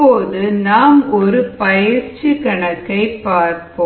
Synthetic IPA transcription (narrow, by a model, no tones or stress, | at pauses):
oːðɯnaːmɔɾɯpɐjɪɾt͡ʃɯkɐɳɐkːɐɪpːaːɾpoː